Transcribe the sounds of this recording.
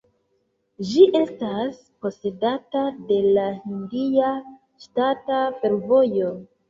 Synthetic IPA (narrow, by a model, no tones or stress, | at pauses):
d͡ʒiʔe̞stas | po̞se̞datade̞lahindia | ʃtatafe̞ɾvo̞jo̞